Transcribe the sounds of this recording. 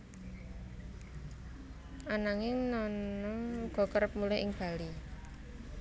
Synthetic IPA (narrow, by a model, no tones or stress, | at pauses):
ʔanaŋɪŋnɔnɔŋɡ̥ɔ̤kəɾəp̚mulɛʔɪŋb̥a̤li